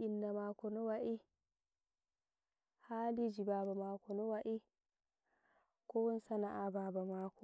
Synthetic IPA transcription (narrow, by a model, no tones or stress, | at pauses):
ʔinːamaːkɔnɔwaʔi | haːlid͡ʒibaːbamaːkɔnɔwaʔi | kɔwɔnsanaʔababamaːkɔ